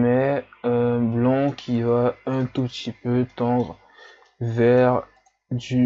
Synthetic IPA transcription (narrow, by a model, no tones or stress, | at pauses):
mɛ | blɑ̃kʲʰivaɛ̃t̪upt̪ʰipøt̪ɑ̃d̪ʁ | vɛʁ | d̪y